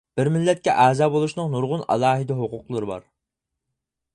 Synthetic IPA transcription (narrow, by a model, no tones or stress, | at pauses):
b̥ɪɾmɪlːɛt̪̚kʲɛ̰ʔæːzɑːbolˠuʃnɨŋnuɾʁʊnɑ̰lˠɑːɦɨd̪ɛɦoqʊqlˠɨɾɨbɑ̰ɾ